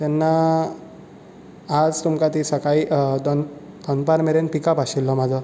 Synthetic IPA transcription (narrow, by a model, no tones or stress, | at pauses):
t̪ɛnːa | d͡zt̪umkat̪isəkaiʔd̪ɔn | d̪ɔnpaɾmeɾenpikapaɕilːɔmad͡zɔ